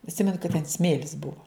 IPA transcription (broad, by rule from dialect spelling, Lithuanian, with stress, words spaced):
ɐtʲˈsʲɪmʲɛnʊ kɐt tʲɛn ˈsʲmʲeːlʲɪs ˈbʊʋoː